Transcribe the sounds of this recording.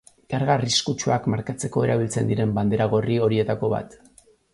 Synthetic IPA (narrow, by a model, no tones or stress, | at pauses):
kaɾɣariskut͡ʃuakmaɾkat͡se̞ko̞e̞ɾaβ̞ilt͡se̞nd̪iɾe̞mband̪e̞ɾaɣ̞o̞rio̞ɾie̞t̪ako̞βa̰t̪